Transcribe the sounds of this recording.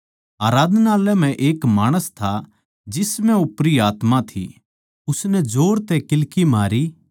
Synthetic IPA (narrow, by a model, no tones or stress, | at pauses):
aːɾaːd̪ʱnaːlɛm̤ɛ̃ʔeːkmaːɽ̃əst̪ʰa | d͡ʒɪsmɛ̃ʊpɾiaːt̪mãt̪ʰḭ | ʊsnɛd͡ʒoːɾt̪ɛkɪlkimaːɾi